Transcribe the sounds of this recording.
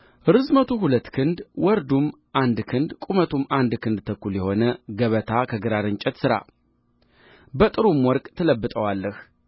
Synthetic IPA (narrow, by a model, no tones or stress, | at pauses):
ʔɨɾɨzmət̪ʰuɦulət̪ːkʰɨnd̪wɔɾd̪um | ʔand̪kʰɨnd̪kʼumət̪ʰumand̪kʰɨnd̪t̪ʰəkːuljɛho̞nəɡəβət̪ʰakʰəɡɨɾaɾɨɲt͡ʃʼɛt̪sɨɾa̰ | bət̪ʼɨɾumwɔɾkʼt̪ʰələbːɨt̪ʼəwalːəh